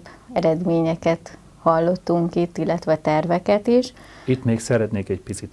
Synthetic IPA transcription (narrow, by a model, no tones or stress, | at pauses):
bɛɾɛd̪meːɲɛkɛt̪ | hɒlːo̞t̪ːuŋkit̪ːilːɛt̪ʋɛt̪ɛrvɛkɛt̪iʃ | it̪meːksɛɾɛt̪neːkɛcpit̪sit̪